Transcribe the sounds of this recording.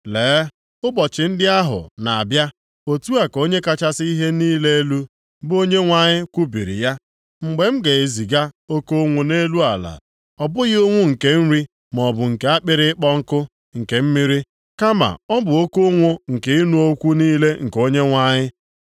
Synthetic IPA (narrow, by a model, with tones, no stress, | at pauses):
leː˨˦ | ʊ˦bɔ˨t͡ʃɪ˨n̩˦dɪ˦a˦ɦʊ̰˨na˨a˨bja˦ | o˦tu˦a˨ko˦ɲe˦ka˦t͡ʃa˦sɪ˦i˦ɦe˦niː˦le˦e˦lu˦ | bʊ˦o˦ɲe˦ŋʷa˨ɲɪ˦kʷu˦bi˨ɾḭ˨ja˦ | ŋ͡m̩˨ɡ͡be˨m̩˦ɡe˨e˨zi˨ɡa˦o˦ko˦ŋʷo˨ne˦lu˦a˨la̰˨ | ɔ˨bʊ˦ɣo˦ŋʷʊ˦ŋ̩˨ke˨n̩˦ɾi˦ | m˨ɔ˨bʊ˨ŋ̩˨ke˨a˦k͡pɪ˦ɾɪ˦k͡pɔ˦ŋ̩˦kʊ˦ | ŋ̩˨ke˨m̩˦mi˦ɾi˦ | ka˦ma̰˨ɔ˦bʊ˨o˦ko˦ŋʷʊ˦ŋ̩˨ke˨i˦nu˦o˦kʷu˦niː˦le˦ŋ̩˨ko˦ɲe˦ŋʷa˦ɲɪ˦